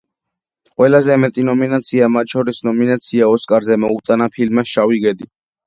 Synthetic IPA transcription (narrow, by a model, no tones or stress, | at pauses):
qʼwɛlazɛmɛt̪ʼinɔminat̪sʰiamat̪ʼʃɔɾisnɔminat̪sʰiaɔskʼaɾzɛmɔut̪ʼanapʰilmasʃawiɡɛd̪i